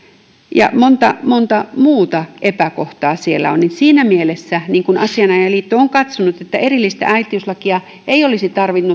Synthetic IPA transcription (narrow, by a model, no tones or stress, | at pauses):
jɑ̰mont̪ɑmont̪ɑmuːt̪ɑʔepækoht̪ɑːsielːæ̰oninsiːnæmielesːæniːŋkunʔɑ̰siɑnɑjɑliːt̪ːooŋkɑt̪sonut̪et̪ːæerilːist̪æ̰ʔæit̪iyslɑkiɑ | eijolisit̪ɑrʋinːu